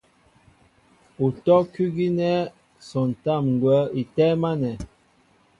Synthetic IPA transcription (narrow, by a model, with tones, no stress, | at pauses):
u˨tɔ˦ki˦ɡi˦nɛ˦ | sɔ˨n˨ta˦˨mŋ˨ɡwɛ˨˦i˨tɛ˦ma˦nɛ˨